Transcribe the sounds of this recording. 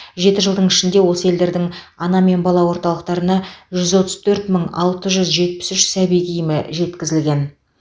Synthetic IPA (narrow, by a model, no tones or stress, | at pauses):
ʒe̞t̪ɪʒəlˠd̪əɴɪʃɪnd̪e̞wo̞səe̞ld̪e̞ɾd̪ɪŋɑnɑme̞nbɑlˠɑwo̞ɾt̪ɑlˠəq̚t̪ɑɾənɑʒʏzwo̞t̪ə̥z̥t̪ʰɵɾt̪məɴɑ̰lˠt̪əʒʏzʒe̞t̪̚pɪ̥sʏʃsæbijɡʲijɪmɪʒe̞t̪kʲɪzɪlɡʲe̞n